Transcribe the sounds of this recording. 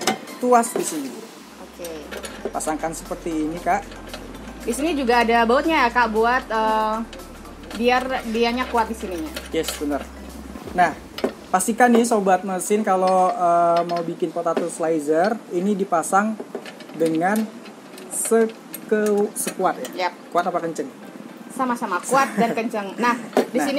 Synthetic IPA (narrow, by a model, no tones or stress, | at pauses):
t̪uasdisini | okepasaŋkansəpərt̪iːnikaʔ | disinid͡ʒuɡaːdabaut̪̚ɲajakaʔbuat̪əː | biarbiaɲakuat̪̚disiniɲajɛsbənər | nah | past̪ikanːɪsobat̪̚məsɪnkaloəːmaubikɪnpot̪at̪uslajzərinidipasaŋ | dəŋan | sə | kəsəkuat̪̚jajkuat̪apakəɲt͡ʃəŋ | samasamakuat̪̚dankəɲt͡ʃəŋnahdisin